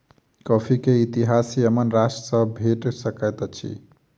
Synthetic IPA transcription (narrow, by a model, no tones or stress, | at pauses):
kɔpʰikeit̪iɦasiəmənɾasʈsəbʱeʈsəkəjt̪t͡ʃʰḭ